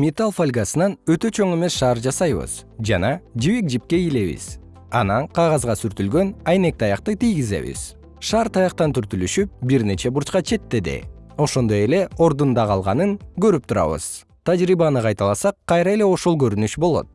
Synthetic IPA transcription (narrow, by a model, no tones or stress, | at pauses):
mʲet̪alˠfalʲɡasɯnɑnøt̪ø̞t͡ʃʰo̞ŋe̞me̞sʃɑːɾd͡ʒɑsɑjβɯ̰z̥d͡ʒɑnɑd͡ʒiβik̚d͡ʒip̚ke̞ile̞βḭz̥ | ɑnɑnqʰɑʁɑzʁɑsyɾt̪ylɡø̞nɑjne̞k̚t̪ɑjɑqt̪ɯt̪ijɡize̞̰βḭz̥ | ʃɑːɾt̪ʰɑjɑqt̪ɑnt̪ʰyɾt̪ylyʃyp̚biɾne̞t͡ʃe̞buɾt͡ʃqɑt͡ʃʰe̞t̪ːe̞d̪ḛo̞ʃo̞nd̪o̞je̞le̞o̞ɾd̪und̪ɑʁɑlˠʁɑnɯŋɡø̞ɾyp̚t̪uɾɑ̰βɯ̰z̥ | t̪ʰad͡ʒɾiβɑnɯqʰɑjt̪ɑlˠɑsɑqʰːɑjɾɑe̞le̞o̞ʃo̞lˠɡø̞ɾynyʃbo̞lˠo̞̰t̪̚